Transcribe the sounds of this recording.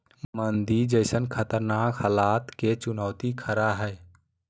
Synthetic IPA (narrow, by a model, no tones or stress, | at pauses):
mənd̪id͡ʒəɪsənkʰət̪əɾnakhəlat̪ket͡ʃunɔʊt̪ikʰəɾaɦəɪ